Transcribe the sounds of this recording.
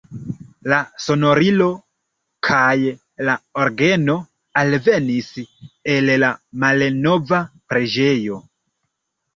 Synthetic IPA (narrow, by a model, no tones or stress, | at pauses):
laso̞no̞ɾilo̞ | kʰaj | laoɾɡe̞no̞ | alve̞nise̞lːamalno̞vapɾe̞d͡ʒe̞jo̞